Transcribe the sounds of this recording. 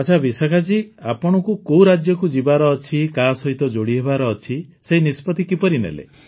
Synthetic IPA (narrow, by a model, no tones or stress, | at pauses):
t͡ʃʰabisakʰad͡ʒiapɔɽ̃ɔkukowɾad͡ʒjɔkud͡ʒibaɾɔːt͡ʃʰikasɔɦit̪ɔd͡ʒoɽiɦebaɾɔːt͡ʃʰiseɦinispɔt̪ikipɔɾinḛlḛ